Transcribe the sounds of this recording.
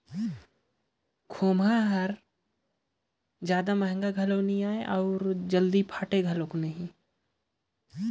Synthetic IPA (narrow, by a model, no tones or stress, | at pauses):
kʰoːmaɦɐɾ | d͡ʒjaːd̪amɛɦŋɡaɡʱɐlonĩaːeʔɔːɾd͡ʒɐld̪ipʰaːʈeɡʱɐloknəɦĩ